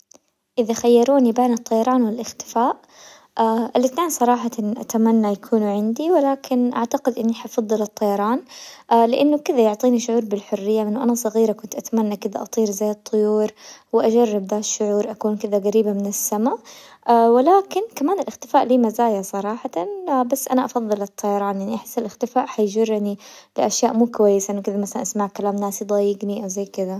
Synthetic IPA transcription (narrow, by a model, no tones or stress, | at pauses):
ʔɪðaxajːɑɾˤuːnibeːnɨt̪ˤːɑjɑɾˤɑːnwɪlʔɪxt̪ɪ̥faːʔ | aʔɪlɪθneːnsˤɑɾˤɑːħat̪anʔa̰t̪amanːajakʰuːnuʕɪnd̪iwɪlaːkʰɪnʔa̰ʕt̪aɡɪd̪ʔɪnːiħɑʔfɑðˤːɨlɨt̪ˤːɑjɑɾˤɑːnʔalɪʔanːʊkɪðajʊʕt̪ˤiːniʃʊʕuːɾˤbɪlħʊrːɪjːamɪnːʊʔanasˤɑɣiːɾakʊnt̪ʔat̪amanːakɪðaʔɑt̪ˤiːɾzajːɨt̪ˤːʊjuːɾwɪʔad͡ʒarːɪb̚d̪aːʃːʊʕuːɾʔakuːnkɪðaɡaɾiːbamɪnɪsːama | wɪlaːkɪnkamaːnɪlʔɪxt̪ɪfaːʔliːmazaːjasˤɑɾˤɑːħɑt̪abasːʔanaʔɑfɑðˤːɨlɨt̪ˤʰːɑjɑɾˤɑːnjaʕniʔaħɪ̥sːɪlʔɪxt̪ɪfaːʔħajd͡ʒʊrˤːnilɪʔaʃjaːʔmuːkʊwajːɪsaʔɪnːʊkɪd̪amaθalanʔasmaʕkalaːmnaːsid̪ˤɑjɪɡniʔawzajkɪða